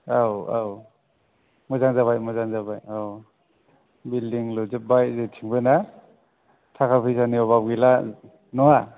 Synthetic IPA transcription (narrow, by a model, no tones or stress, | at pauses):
awaw | mɔzaŋzaβajmɔzaŋzabajaw | bildiŋlɔzɯp̚bajzetʰiŋbɯna | tʰakʰapʰijsaniɔβabɡila | nɔŋa